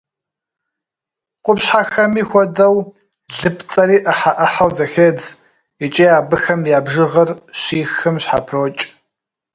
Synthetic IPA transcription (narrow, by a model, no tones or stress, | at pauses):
qʷʊpɕħaxɐmiːxʷɔdɐw | ɮɨpʰt͡sʼɐriːʔɐħaʔɐħawzɐxed͡z | it͡ʃʼiːaːbɨxɐmjaːbʒɨʁɐrɕiːxɨmɕħa̰pʰroːt͡ʃʼ